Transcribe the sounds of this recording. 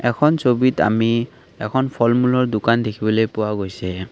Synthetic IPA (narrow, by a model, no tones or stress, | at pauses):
ɛkʰɔnsobita̰mi | ɛkʰɔnpʰɔlmulɔɹdʊkandekʰibɔlojpʊwaɡojsɛ